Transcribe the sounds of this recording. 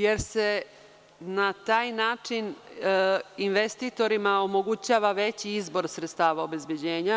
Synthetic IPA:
je̞ɾse | nat̪aːjnaːt͡ʂin | inʋest̪it̪o̞ɾimaomo̞ɡut͡ɕaːʋaʋet͡ɕiizbo̞ɾsɾet̪st̪aːʋaobe̞zbjed͡ʑeːɲa

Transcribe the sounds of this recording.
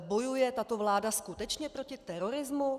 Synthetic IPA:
bo̞jujɛt̪at̪o̞vlaːdaskut̪ɛt͡ʃɲɛpɾo̞cɪt̪ɛɾoɾɪzmu

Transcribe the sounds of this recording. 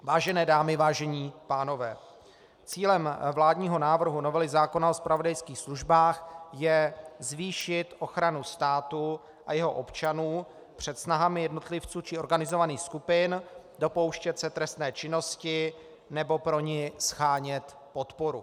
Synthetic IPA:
vaːʒɛnɛːdaːmɪvaːʒɛɲiːpaːno̞vɛː | t͡siːlɛmvlaːdɲiːɦo̞naːvr̩ɦuno̞vɛlɪzaːko̞nao̞spɾavodajskiːxsluʒbaːxjɛzviːʃɪt̪ʔo̞xɾanust̪aːt̪u | ʔajɛɦo̞ʔo̞pt͡ʃanuː | pr̝̥ɛt̪snaɦamɪjɛdno̞t̪lɪft͡suːt͡ʃɪo̞ɾɡanɪzo̞vaniːxskupɪn | do̞po̞wʃcɛt̪sɛt̪ɾɛst̪nɛːt͡ʃɪno̞scɪ | nɛbo̞pɾo̞ɲɪsxaːɲɛt̪ | po̞t̪po̞ɾu

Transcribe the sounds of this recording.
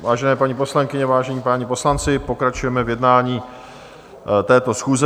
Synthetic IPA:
vaːʒɛnɛːpaɲiːpo̞slaŋkɪɲɛvaːʒɛɲiːpaːɲipo̞slant͡sɪpo̞kɾat͡ʃujɛmɛvjɛdnaːɲiː | t̪ɛːt̪o̞sxuːzɛ

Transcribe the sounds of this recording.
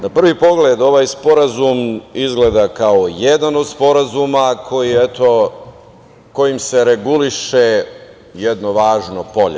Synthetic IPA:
napr̩ʋipo̞ɡled̪o̞ʋaːjspo̞ɾazumizɡled̪akaojed̪ano̞d̪spo̞ɾazumakʰo̞jijɛt̪o̞ | ko̞jimse̞ɾeɡuliʃe | jed̪noʋaːʒnopo̞ʎe

